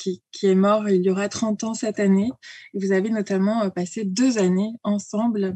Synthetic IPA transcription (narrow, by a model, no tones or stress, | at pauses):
kʲikʲʰiɛmɔʁiljɔʁat̪χɑ̃t̪ɑ̃sɛt̪aneevuzavenɔt̪amɑ̃pased̪øzaneɑ̃sɑ̃bl